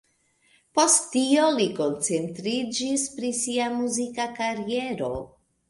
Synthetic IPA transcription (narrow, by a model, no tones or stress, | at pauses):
po̞stːio̞liko̞nt͡se̞ntɾid͡ʒispɾisiamuzikakaɾie̞ɾo̞